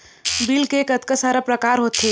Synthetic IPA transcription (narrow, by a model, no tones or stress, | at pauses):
biːlkeːkɐt̪kasaːɾapɾɐkaːɾɦoːt̪e